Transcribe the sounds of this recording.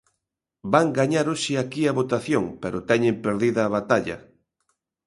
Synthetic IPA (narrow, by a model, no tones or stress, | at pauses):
baŋɡaɲaɾoʃiakiɐβot̪aθjoŋpeɾʊt̪ɛɲempeɾðiðɐːβat̪aʎɐ̰